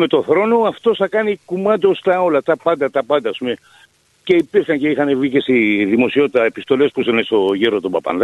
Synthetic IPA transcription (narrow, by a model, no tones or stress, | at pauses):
me̞t̪o̞θɾo̞no̞ɐft̪o̞sθɐkɐnikumɐt̪ost̪ɐo̞lɐt̪ɐpɐnd̪ɐt̪ɐpɐnd̪ɐːspume | ce̞ipiɾçɐɲce̞ixɐnevicesiðimo̞sio̞t̪it̪ɐepist̪o̞le̞spusenest̪o̞ʝeɾot̪obɐpɐ̰nðɐ